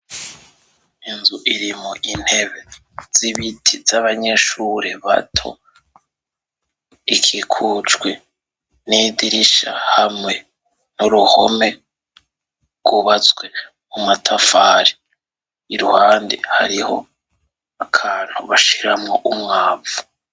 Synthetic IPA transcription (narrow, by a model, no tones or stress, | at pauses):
inzuʔiɾimoʔin̥he̞βe̞ | z̥iβitʰizaβaɲe̞ʃuɾeβa̰tʰo̰ | ikʰikʰut͡ʃɡwe | nidiɾiʃahamŋe̞ | nuɾuhome̞ | ɡ̥uβat͡sɡwe | mumatʰafaːɾi | iɾuhaːndḛha̰ɾiho̞̰ | akʰaːn̥huβaʃiɾamŋoʔumŋaːvu̥